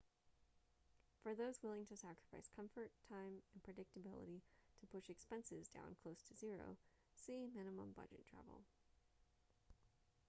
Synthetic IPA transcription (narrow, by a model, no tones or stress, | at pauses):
fə˞ðoʊzwɪlˠɪ̃ŋtʰɨsækɹəfaɪskʰʌ̃ɱfə˞tʰãɪ̃mɨ̃npʰɹ̥ɨdɪk̚tɨbɪlˠə̰ɾiɾɨpʰʊʃɨkspɛ̃nsɪzdã̰ʊ̃nkʰl̥oʊstʰɨzɪɹo̰ʊ | simɪ̃nəmə̰̃mbʌ̰d͡ʒɨ̰tʰɹ̥æ̰vl̩ˠ